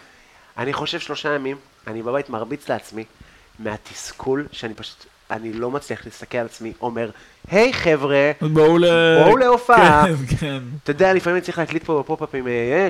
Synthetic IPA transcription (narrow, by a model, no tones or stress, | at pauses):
aniχo̞ʃe̞vʃlo̞ʃajamim | anibabajt̪maʁbit͡sleat͡smi | meat̪iskʰulʃeanipaʃu̥t̪ | a̰nilo̞mat͡sliaχlist̪akelalat͡smiʔo̞me̞ʁ | hejχe̞vʁebaulebouleofakent̪od̪ealifamimt͡sliχleːklit̪̚pobepopapimee